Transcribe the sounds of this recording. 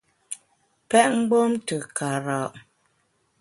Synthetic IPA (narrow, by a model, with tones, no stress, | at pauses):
pɛ˦ʔŋ̩˦ɡ͡bo˦mtə˨ka˨ɾa˨ʔ